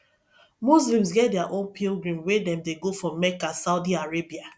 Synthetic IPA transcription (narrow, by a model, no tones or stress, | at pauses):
mus̬lĩms̬ɡɛt̚dɛaʔõnpʰilɡɹĩmwedɛ̃mdeɡofɹɔ̃mːɛkasaʊdiaɹebia